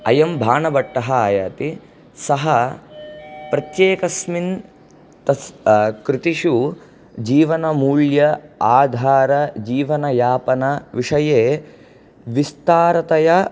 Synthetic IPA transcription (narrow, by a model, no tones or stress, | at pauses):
ɐ̰jɐmbʱaːɳɐbɐʈːɐɦɐaːja̰ːt̪i | sɐɦɐ | pɾɐt̪jeːkɐsmin | t̪ɐskɾɪt̪iʃu | d͡ʒiːʋɐnɐmuːɭjɐaːd̪ʱaːɾɐd͡ʒiːʋɐnɐjaːpɐnɐʋiʂɐjeː | ʋist̪aːɾɐt̪ɐjɐ